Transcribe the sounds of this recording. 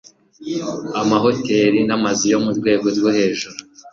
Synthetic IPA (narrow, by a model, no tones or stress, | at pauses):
amaɦo̞te̞ːɾinamazijo̞muɾɡwe̞ːɡo̞ɾɡohe̞ːʒuɾu